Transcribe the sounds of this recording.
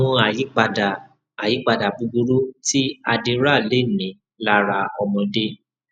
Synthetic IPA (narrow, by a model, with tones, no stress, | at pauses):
ũ˧a˨ji˨˦k͡pa˧da˨ | a˨ji˨˦k͡pa˧da˨bu˨˧bu˧ɾu˦ti˦a˧de˧ɾa˦˨le˦˨nĩ˨˦ | la˦ɾa˧ɔ˧mɔ̃˧de˦